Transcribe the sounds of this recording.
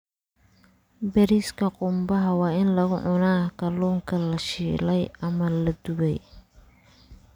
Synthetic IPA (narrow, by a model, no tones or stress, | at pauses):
bɛɾiskʰɐqʼʊmbɐɦɐwɑːɪnlɐɣʊʕʊnaːkɐluːŋkʰɐlɐʃiːlɛjɐmɐlɐd̪ʊβɛj